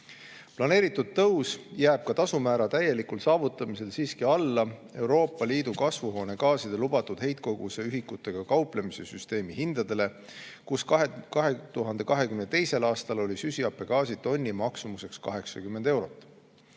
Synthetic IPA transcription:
plɑne̞ːɾit̪ːˑud̪̥̚t̪ɤwsjæːb̥̚kɑt̪ɑsumæːɾɑt̪æje̞likulsɑːvut̪ːˑɑmise̞lsiːskiɑlːɑe̞wɾo̞ːpːˑɑliːd̪̥ukɑsvuɦo̞ːne̞ɡɑːsid̪̥elub̥ɑt̪ːud̪̥he̞jt̪̚ko̞ɡ̥use̞yɦikːˑut̪ːˑe̞ɡ̥ɑkɑwple̞mise̞syst̪e̞ːmihind̪̥ɑd̪̥e̞le̞ | kuskekɑɦet̪uɦɑnd̪̥e̞kɑɦe̞kymnet̪ejse̞lɑːst̪ɑlo̞lʲisysiɑpːˑe̞ɡ̥ɑːsit̪o̞nʲːimɑksumuse̞kskɑ̰ɦe̞ksɑ̰kymːe̞nd̪̥e̞wɾo̞t̪ːˑ

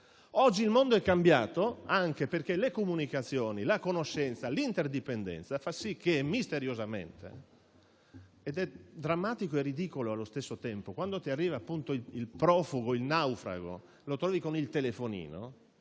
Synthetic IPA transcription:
ɔd͡ʒːiːlmond̪oɛkːambjaːt̪oaŋkeperkelekomunikat̪sːjoːnilakonoʃːɛnt̪salint̪erd̪ipend̪ɛ̰nt̪safasːikːeɛmːist̪eɾjozamḛnt̪ḛ | ɛd̪ɛd̪ɾamːaːt̪ikoerːid̪ikoloalːost̪esːot̪ɛmpokwand̪ot̪iarːiːvaːpːunt̪oiilpɾɔːfuɡoilnawfɾa̰ɡo̰ | lot̪ɾɔːvikonilt̪elefonḭːno̰

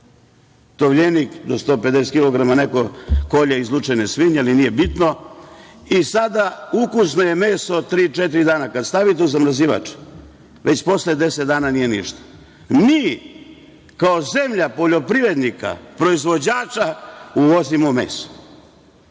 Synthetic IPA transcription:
t̪oʋʎenikd̪ost̪oːpe̞d̪eset̪kilo̞ɡɾamaneko̞ko̞ʎeizlˠut͡ʂenesʋiɲalinijebit̪no | isad̪aukusnoje̞meːsot̪ɾiːt͡ʃet̪̬iɾid̪aːnakad̪st̪aʋit̪euzamɾaziʋa̰t͡ʂe̥ | ʋet͡ɕpo̞sled̪eset̪d̪aːnanije̞nḭʃt̪ḁ | miː | kaoze̞mʎapoʎo̞pɾiʋɾed̪nika̰pɾo̞izʋo̞d͡ʑaːt͡ʃauʋozimomḛːso̥

